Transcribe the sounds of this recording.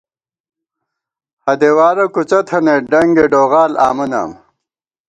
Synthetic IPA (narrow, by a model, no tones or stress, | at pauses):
hɐd̪ewaːɾɐkut͡ɕɐt̪ʰɐneɖɐŋɡeɖoːɣaːla̰ːmɐna̰ːm